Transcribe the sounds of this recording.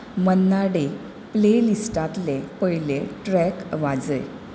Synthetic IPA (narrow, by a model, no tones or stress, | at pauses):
mənːaɽe | plelisʈat̪lepəɦileʈɾɛkʋad͡zə̰j